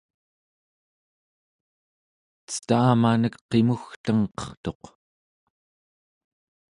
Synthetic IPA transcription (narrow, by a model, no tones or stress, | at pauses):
t͡sə̥t̪aːmanəkqe̞muxt̪əŋqʌ̥χt̪o̞q